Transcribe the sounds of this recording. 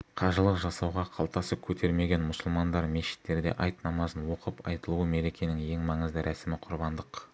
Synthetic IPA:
qʰɑʒəlˠəqʒɑsɑwʁɑqʰɑlˠt̪ɑsəp̚kʲʰɵt̪ʰe̞ɾme̞ɡʲe̞nmʊsəlˠmɑnd̪ɑɾmeʃɪ̥t̪ːe̞ɾd̪e̞̰ʔɑjt̪nɑmɑzənwo̞qəpɑ̰jt̪əlˠuwəme̞ɾe̞kʲe̞nɪŋje̞ŋmɑɴəzd̪əɾʔæsɪmɪqʰʊɾbɑnd̪əq

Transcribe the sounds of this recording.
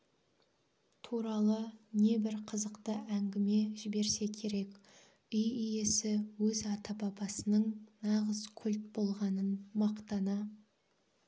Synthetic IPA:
t̪ʰuɾɑlˠəne̞bɪɾqʰəzəqt̪əʔæŋɡʲɪme̞ʒɪbe̞ɾse̞kʲʰe̞ɾe̞kʲ | ʏjijesɪwɵzɑt̪ɑbɑbɑsənəɴnɑʁəzkʲʰʏlt̪̚bo̞lˠʁɑnənmɑqt̪ɑnɑ

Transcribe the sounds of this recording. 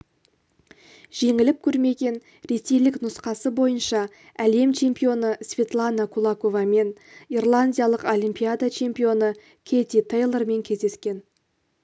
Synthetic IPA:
ʒ̥e̞ŋɪlɪp̚kʲʰɵɾme̞ɡʲe̞n | ɾe̞se̞jlɪknʊsqɑsəbo̞jənʃɑ | æle̞mt͡ʃʰe̞mpio̞nəsvʲe̞t̪lˠanakʰulˠako̞vɑme̞nirlˠanʲdʲijalˠəqo̞lʲimpijad̪at͡ʃʰe̞mpio̞nə | kʲʰe̞t̪ʲit̪ʰejlˠəɾme̞ŋkʲʰe̞zd̪e̞skʲe̞n

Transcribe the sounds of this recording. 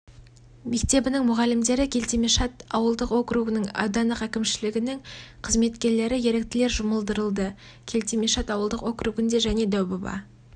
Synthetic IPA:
me̞kt̪e̞bɪnɪŋmʊʁɑlːɪmd̪e̞ɾɪkʲʰe̞lt̪emeʃɑt̪ɑwəlˠd̪əqwo̞kɾuɡənəɴɑ̰d̪ɑnəqækʲɪmʃɪlɪɡʲɪnɪŋqʰəzme̞t̪kʲe̞ɾle̞ɾɪje̞ɾe̞k̚t̪ɪle̞ɾʒʊməlˠd̪əɾəlˠd̪ə | kʲʰe̞lt̪emeʃɑt̪ɑwəlˠd̪əqwo̞kɾuɡɪnd̪e̞ʒæne̞d̪æwbobɑ̰

